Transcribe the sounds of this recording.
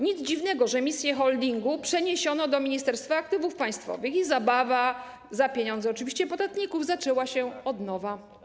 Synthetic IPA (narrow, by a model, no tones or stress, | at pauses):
ɲid̪zd͡ʑivnɛɡɔʐɛmʲisʲjɛxɔld̪ʲiŋɡupʂɛɲeɕɔnɔd̪ɔmʲiɲist̪ɛɾst̪faːkt̪ɘvufpaj̃st̪fɔ̰vɘxizabava | zapʲjeɲɔnd̪zɛɔt͡ʂɨvʲiɕt͡ɕɛpɔd̪at̪ɲikuvzat͡ʂɛwaɕɛɔd̪nɔva